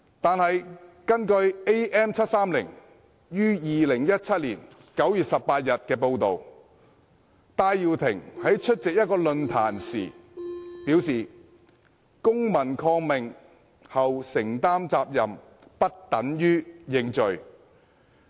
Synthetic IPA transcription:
t̪aː˨nhɐ˨jkɐ˥nkɵ˧ɥe˥jʔɛː˥mt͡sʰɐ˥t̚saː˥mlɪ˨˩ŋ | jyː˥jiː˨lɪ˨˩ŋjɐ˥t̚t͡sʰɐ˥t̚lḭː˨˩n | kɐ˨˥wjyː˨t̚sɐ˨ppaː˧t̚jɐ˨t̚kɛː˧po˧wt̪o˨w | t̪aː˧jjiː˨˧wt̪ʰɪ˨˩ŋhɐ˨˥jt͡ʃʰɵ˥t̚t͡sɪ˨k̚jɐ˥t̚kɔː˧lɵ˨˧nt̪ʰa̰ː˨˩nsḭː˨˩piː˨˥wsiː˨ | kʊ˥ŋmɐ˨˩nkʰɔː˧ŋmɪ˨ŋ | hɐ˨wsɪ˨˩ŋt̪aː˥mt͡saː˧p̚jɐ˨m | pɐ˥t̚t̪ɐ˨˥njyː˥jɪ˧ŋt͡ʃɵ˨ɥ

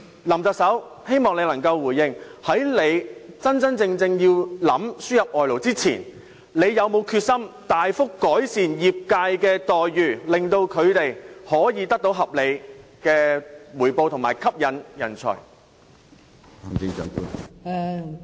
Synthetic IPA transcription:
lɐ˨˩mt͡sɐ˨k̚sɐ˨˥w | he˥jmɔː˨ŋle˨˧jlɐ˨˩ŋkɐ˧wwuː˨˩jɪ˧ŋhɐ˨˥jle˨˧jt͡sɐ˥nt͡sɐ˥nt͡sɪ˧ŋt͡sɪ˧ŋjiː˧wlɐ˨˥msyː˥jɐ˨p̚ʔɔː˨jlo˨˩wt͡siː˥t͡sʰiː˨˩n | le˨˧jjɐ˨˧wmo˨˧wkʰyː˧t̚sɐ˥mt̪aː˨jfʊ˥kːɔː˨˥jsiː˨njiː˨p̚kaː˧jkɛː˧t̪ɔː˨jːyː˨˩lɪ˨˩ŋt̪o˧wkʰɵ˨˧ɥt̪e˨jhɔː˨˥jiː˨˧t̪ɐ˥k̚t̪o˨˥wɦɐ˨p̚le˨˧jkɛː˧wuː˨˩jpo˧wt̪ʰʊ˨˩ŋmaː˨˩jkʰɐ˥p̚jɐ˨˧njɐ̰˨˩nt͡sʰœ̰˨˩j | a˨˩mt͡sɪ˧ŋt͡ʃœ̰ː˨˥ŋpṵ˧˥

